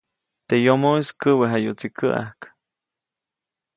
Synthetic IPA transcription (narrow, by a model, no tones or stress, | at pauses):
t̪ejomoiskəweɦajut͡sikʰəʔa̰hk